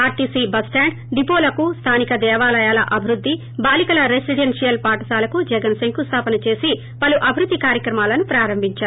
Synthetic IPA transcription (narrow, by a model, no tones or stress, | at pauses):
aːɾʈiːsibɐsʈaːɳɖ | ɖipoːlɐkust̪ʰaːnikɐd̪ɛːʋaːlɐjaːlɐ̰ʔɐbʱiɾud̪ːi | baːlikɐlɐɾesiɖensijɐlpaːʈɐsaːlɐkud͡ʒɛɡɐnsɐŋkust̪ʰaːpɐnɐt͡ʃe̞ːsi | pɐluʔɐbʱiɾud̪ʱːikaːɾjɐkɾɐmaːlɐnupɾaːɾɐmbʱiɲt͡ʃaːɾ